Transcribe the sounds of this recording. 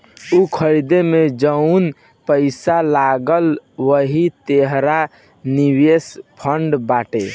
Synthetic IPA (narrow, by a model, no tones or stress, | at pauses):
ukʰəɾid̪emed͡ʒəun | pəɪsalaɡəlʋəɦit̪eɦɾa | niwespʰəɳɖbaʈe